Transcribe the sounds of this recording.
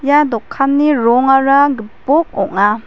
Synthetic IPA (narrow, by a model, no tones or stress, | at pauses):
jadɔkʰːanːiɾɔŋaɾaɡipɔk̚ɔk̚ŋa